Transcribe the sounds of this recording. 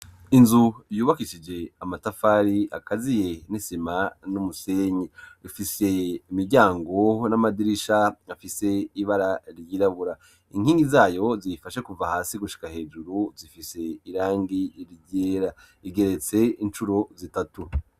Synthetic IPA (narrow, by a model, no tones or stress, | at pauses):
inzujuːβakiʃid͡ʒe̞amatafaːɾiakazije̞nisimanumuseɲeifise̞imiɾɟaːŋɡo̞namadiɾiʃaafise̞iβaɾaɾjiɾaβuɾa | iŋ̥hiːŋɡizaːjo̞zifaʃekuvahaːsiɡuʃi̥kahe̞ːd͡ʒuɾuzifise̞iɾaːŋɡiɾiɟeːɾa | iɡe̞ɾe̞t͡se̞int͡ʃuɾozitatu